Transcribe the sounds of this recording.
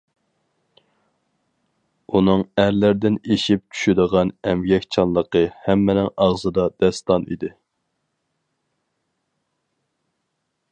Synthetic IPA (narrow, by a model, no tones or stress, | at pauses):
unɨŋæɾlæɾd̪ɪneʃip̚t͡ʃʰy̥ʃyd̪əʁɑnɛmɡʲɛkʲt͡ʃʰɑnlˠəqəhæmːɪnɪŋɑʁzɨd̪ɑd̪ɛst̪ɑnḭd̪ɪ